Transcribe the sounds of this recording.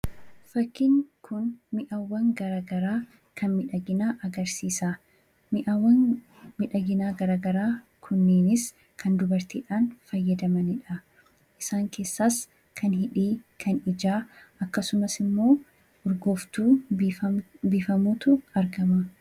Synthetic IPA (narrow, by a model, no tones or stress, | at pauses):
fɐkːɪŋkʰʊnmɪʔɐwːɐŋɡɐɾaːɡɐɾaː | kʰɐnmɪᶑɐɡɪnaːʔɐɡɐɾsiːsa | mɪʔɐwːɐn | mɪᶑɐɡɪnaːɡɐɾaːɡɐɾaː | kʰʊnːeːnɪs | kʰɐnd̪ʊbɐɾt̪iːᶑaːnfɐjːɐd̪ɐmɐnɪᶑɐ | ʔɪsaːŋke̞ːsːaːs | kʰɐnhɪᶑiːkʰɐnɪd͡ʒaːʔɐkːɐsʊmɐsɪmːo̞ː | ʔʊɾɡo̞ːft̪uː | bɪːfɐmuːt̪ʊɐɾɡɐmɐ